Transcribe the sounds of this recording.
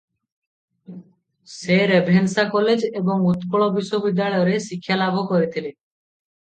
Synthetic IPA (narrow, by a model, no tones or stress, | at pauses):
seɾebʱensakɔled͡ʒebɔŋut̪kɔɭɔbiʃobid̪ːjaɭɔjɔɾesikʰːjalabʱɔkɔɾit̪ʰile